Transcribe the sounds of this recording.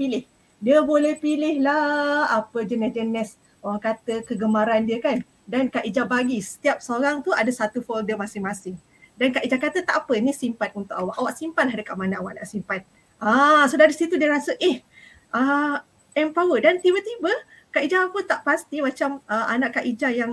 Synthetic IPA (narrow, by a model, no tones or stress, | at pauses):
pilɪh | diəbolɛhpilɪhlaapəd͡ʒənɛsd͡ʒənɛs | oɾaŋkat̪əkəɡəmaɾandiəkan | dankaʔid͡ʒabaɡisə̥t̪iap̚səoɾaŋt̪uadasat̪ufɔldəmasɪŋmasɪŋ | dankaʔid͡ʒakat̪ət̪aʔapənisimpat̪̚unt̪ʊkawaʔawaʔsimpanlahdəkaʔmanaawaʔna̰ʔsimpat̪̚ | asədaɾisit̪udiəɾasəʔɛh | ʔə | ɛmpawədant̪ibət̪ibə | kaʔid͡ʒaːpət̪aʔpast̪imat͡ʃaməʔa̰naʔkaʔid͡ʒajaŋ